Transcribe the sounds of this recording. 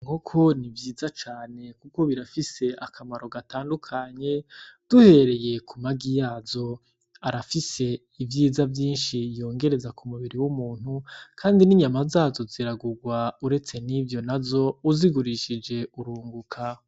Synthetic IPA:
ŋokʰo̞nivjiːzat͡ʃaːne̞kuko̞βiɾafise̞ʔakʰamaɾo̞ɡataːndukʰaɲe̞d̥uhe̞ɾe̞je̞kumaɡijaːzo̞ | aɾafise̞ | ivjiːzavjiːnʃijo̞ːŋɡe̞ɾe̞zakumuβiɾiwumuːn̥hukʰaːndiniɲamazaːzo̞ziɾaɡuɡwauɾe̞t͡se̞nivjo̞nazo̞uziɡuɾiʃid͡ʒe̞uɾuːŋɡukʰa

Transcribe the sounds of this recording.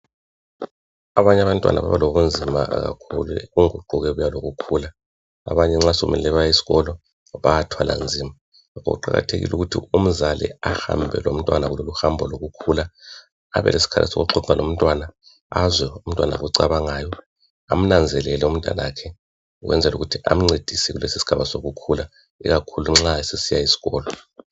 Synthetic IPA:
aβaɲɛaβantʼwa̰naβa̰βaloɣund͡zʱima̰ɣa̰kʰṵlueɣuŋuǃuɣɛβujaloɣukʰula̰ː | βaɲɛŋ͡ǁasoṵmɛlɛβajesi̥ɣɔlɔ | βajatʰwala̰nd͡zʱiːma | ŋakʰɔɣṵǃa̰ɣa̰tʰeɣḭluɣutʰḭum̩zalḭaha̰mbʱɛ̰lom̩tʼwanaɣuloluhambʱɔloɣukʰulaː | βɛ̰lʔesi̥kʰa̰lɛ̰sɔ̰ɣṵǃʰɔǀalom̩tʼwana | azwɛum̩tʼwanaɣuǀaβaŋaːjɔ | am̩nand͡zʱɛlɛlɛum̩ntʼa̰nakʰɛ | uɣwɛ̰nd͡zʱɛluɣutʰiʔam̩ŋ͡ǀed̥ʱisiɣulesisi̥ɡ̥ʱaβasoɣukʰula | ḭɣakʰuluŋ͡ǁaesesijaisi̥ɣɔːlɔ

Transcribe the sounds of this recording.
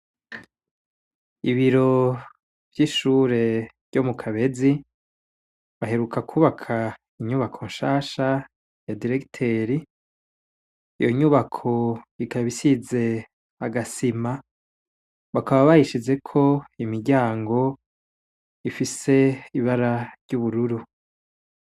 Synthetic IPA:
iβiɾo̞ | v̥jiːʃuːɾe̞v̥ɟo̞mukʰaβe̞zi | βaɦe̞ɾukakʰuːβakʰa | iɲuβakʰo̞nʃaːʃa | jadiɾe̞ktʰeɾi | joɲuβakʰo̞ikaβisize̞ | aɡasima | βakaβaβahiʃid͡ʒe̞kʰo̞imiɾɟaːŋɡo̞ | ifise̞iβaɾaɾɟuːβuɾuɾu

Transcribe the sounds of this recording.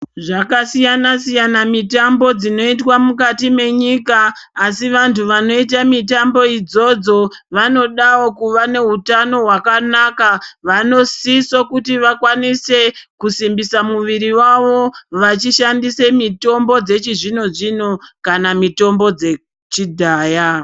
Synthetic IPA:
ʐakasijanasijanamitambo̞d͡zino̞itwamukatime̞ɲikaː | siʋantʰuʋano̞it̬amitambo̞id͡zo̞d͡zo̞ | ʋano̞ɗawo̞kuʋane̞ɦutano̞ɦwakanakaʋano̞sisokutiʋakwanise̞kusimbisamuʋiɾiwaʋo̞ʋat͡ʃiʃandise̞mito̞mbo̞d͡ze̞t͡ʃiʐino̞ʐino̞kanamito̞mbo̞d͡ze̞ | t͡ʃidʱaːja

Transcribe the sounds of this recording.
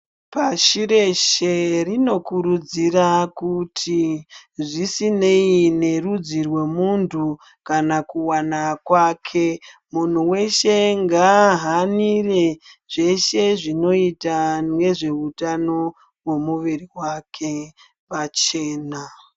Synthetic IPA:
paʃiɾe̞ʃerino̞kuɾud͡zirakutʰiʐisine̞ine̞rud͡zirwe̞muntʰu | kanakuwanakwaːkʰe̞mun̤uwe̞ʃe̞ŋɡaɦanireʐ̥e̞ʃe̞ʐino̞itanwe̞ʐe̞utano̞ | we̞muʋiriwakʰe̞ | pat͡ʃe̞ːna

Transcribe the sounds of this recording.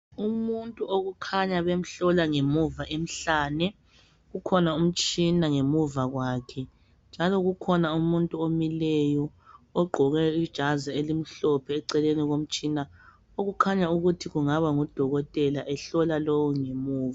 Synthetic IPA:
umuntʼuoɣukʰaɲaβem̩ɬɔlaŋemuvaʔem̩ɬaːnɛ | ɣukʰɔnaum̩t͡ʃʼinaŋemuvaɣwaːkʰɛ | nd͡ʒʱalɔɣukʰɔnaumuntʼuomilɛjɔːɡ͡ǃʱɔɣɛid̥ʒ̥ʱazaelim̩ɬɔpʰɛːǀɛleniɣom̩t͡ʃʼina | oɣukʰaɲauɣutʰiɣuŋaβaŋɔd̥ʱɔɣɔtʼɛlaʔɛɬɔlalowɔŋemuːva

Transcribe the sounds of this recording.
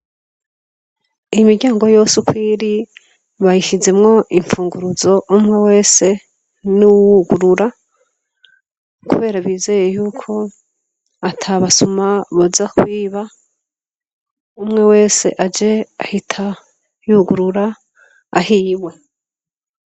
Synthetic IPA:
ijmiɾɟaːŋɡo̞jo̞sukiɾi | βajiʃize̞mŋo̞ʔiɱfuːŋɡuɾuzo̞ʔumŋe̞we̞ːse̞ | nuwuɡuɾuɾa | kṵβe̞ːɾaβiːze̞ːjejuːkʰo̞ | atʰaβasumaβozakwiːβa | umŋe̞we̞ːse̞̰ʔad͡ʒe̞ahitʰa | juɡuɾuɾa | ahiːβwe

